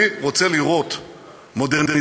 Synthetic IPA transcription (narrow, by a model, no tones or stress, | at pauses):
iʁot͡seliʁo̞t̪ | mo̞deʁde